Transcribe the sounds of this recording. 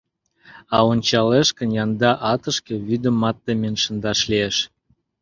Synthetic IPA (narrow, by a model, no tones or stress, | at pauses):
ɑonʲt͡ɕɑleʃkə̆njɑnd̪ɑʔɑt̪əʃkĕβyd̪ə̆mːɑt̪ːemenʃə̆nd̪ɑʃlieʃ